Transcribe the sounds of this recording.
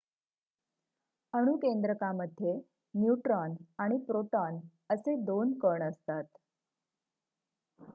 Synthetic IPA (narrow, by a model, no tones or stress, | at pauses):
əɽ̃ukend̪ɾəkaməd̪ʱːje | mjuʈɾɔnaɽ̃ipɾoʈɔn | əsed̪onkəɳəst̪at̪